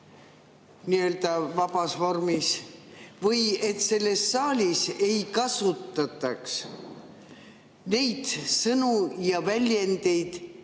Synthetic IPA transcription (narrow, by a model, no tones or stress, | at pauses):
niø̞ːld̪ɑvɑb̥ɑsvo̞rmisvɤje̞t̪se̞lːe̞sːɑːlʲise̞jkɑsut̪ːˑɑt̪ːˑɑks | ne̞jd̪̥sɤnujɑvælʲjend̪e̞jd̪̥